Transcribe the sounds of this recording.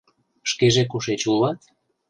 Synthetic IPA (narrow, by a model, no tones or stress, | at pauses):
ʃkeʒekuʃet͡ɕulɑt̪